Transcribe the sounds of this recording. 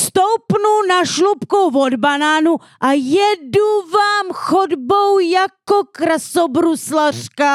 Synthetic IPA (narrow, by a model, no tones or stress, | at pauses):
st̪owpnunaʃlupkowvod̪banaːnu | ʔajɛduvaːmxod̪bowjakokɾasobɾuslar̥ka